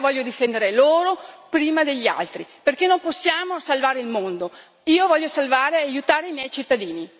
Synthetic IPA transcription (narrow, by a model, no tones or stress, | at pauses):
vɔʎːod̪ifɛnd̪eɾeloːɾopɾiːmad̪eʎːa̰lt̪ɾiperkenːomposːjaːmosalvaːɾeilmond̪o | iːovɔʎːosalvaːɾeajut̪aːɾeimjɛjt͡ʃit̪ːad̪iːni